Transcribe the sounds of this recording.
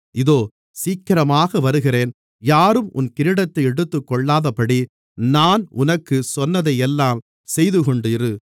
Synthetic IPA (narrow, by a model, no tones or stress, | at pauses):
ʔɪðoː | siːkːɐɾɐmaːɣɐʋɐɾɯɣɪreːn | jaːɾɯmʔʊnkɪɾɪɽɐt̪ːɐɪɛɽɯt̪ːɯkːɔɭːaːðɐpːɐɽi | naːnʔʊnɐkːɯsɔnːɐðɐjɛlːaːm | sɛjðɯkɔɳɖɯɪɾɯ